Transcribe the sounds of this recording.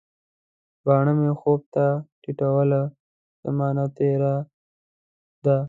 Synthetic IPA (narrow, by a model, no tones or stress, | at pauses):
bɑːɳəmexob̚t̪aʈiʈawəla | z̥amɑːnat̪eɾa | d̪a